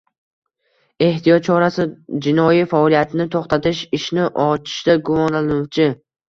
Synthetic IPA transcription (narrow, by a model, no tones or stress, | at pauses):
e̞ht̪ʰijɒt̪̚t͡ʃʰɒɾasɪd͡ʒɪnɒjifaːlˠijat̪ʰɪnɪt̪ʰoχt̪ʰat̪ɪʃɪʃnɪʔɒt͡ʃʰɪ̥ʃd̪aɡʊmɒnlanʊwt͡ʃʰɪ